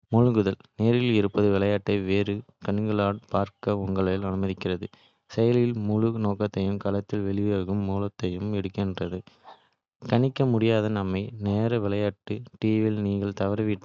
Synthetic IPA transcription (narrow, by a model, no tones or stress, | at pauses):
mʊɻɯɡɯðɐlneːɾɪlɪɾɯpːɐðɯʋɪlɐjaːʈːɐɪʋeːɾɯ | kɐɳŋɡɯɭaːʈ̚paːɾkɐʊŋɡɐɭɐlɐnɯmɐðɪkːɪrɐðɯ | sɛjɐlɪlmʊɻɯnoːkːɐt̪ːɐjɯmkɐlɐt̪ːɪlʋɛɭɪʋeːɣɯmːuːlɐt̪ːɐjɯmɛɽɯkːɛndrɐðɯ | kɐɳɪkːɐmʊɽɪjaːðɐnɐmːɐɪneːɾɐʋɪlɐjaːʈːɯʈiːʋɪlniːɣɐɭt̪ɐʋɐɾɐʋɪʈː